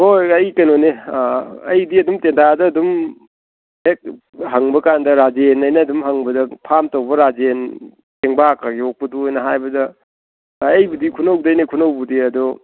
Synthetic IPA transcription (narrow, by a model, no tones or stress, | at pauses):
hojɐjkɐnone | ɐjdiɐdumtentʰadɐːdum | hek̚ | ɦaŋbɐkandɐɾad͡ʒenɐjnɐːdumɦaŋbɐdɐpʰamtowbɐɾad͡ʒen | tʰeŋbakaɡiok̚pɐduojnɐɦajbɐdɐː | jbudikʰunɐwdɐjnekʰunɐwbudiɐdɔ